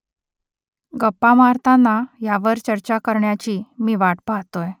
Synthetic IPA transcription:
ɡəpːamaɾt̪ʰanːajaʋəɾt͡ɕəɾt͡ɕakəɾɳjat͡ɕiːmiːʋaʈpaɦt̪oj

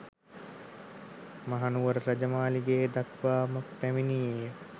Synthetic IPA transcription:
maɦanuʋəɾəɾɐd͡ʒəmaːliɡeːd̪akʋaːməpæminiːjə

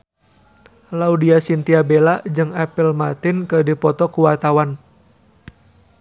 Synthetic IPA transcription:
laudiasint̪iabelad͡ʒɨŋɛpəlmat̪ɪnkədipɔt̪ɔkuwat̪awan

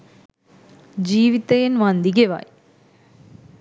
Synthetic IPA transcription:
d͡ʑiːʋit̪ːɐjɐnʋɐnd̪iɡɐʋa̰ːj

